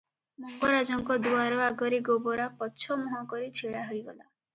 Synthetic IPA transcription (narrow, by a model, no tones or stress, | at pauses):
mɔŋɡɔɾad͡ʒɔŋkɔd̪uaɾɔaɡɔɾiɡobɔɾapɔtːt͡ʃʰɔmɔɦɔkɔɾit͡ʃʰiɽaɦojɡɔ̰la